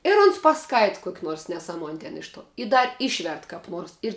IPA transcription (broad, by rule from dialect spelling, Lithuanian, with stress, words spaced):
ɪr ʊns pɐˈskɐɪtɐ ˈkuɔkʲ ˈnoːrs nʲɛˈsɑːmuɔnʲ tʲɛn ˈɪʃ ˌtuɔ ɪ ˈdɐr ˈɪʃʲʋʲɛrt kɐp ˈnuɔrs ɪr